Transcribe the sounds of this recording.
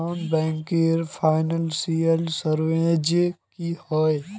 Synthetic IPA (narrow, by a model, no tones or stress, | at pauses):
nbɛ̃ːŋkeːɾpʰaːɪnəlsiəlsəɾʋed͡ʒkihɔːe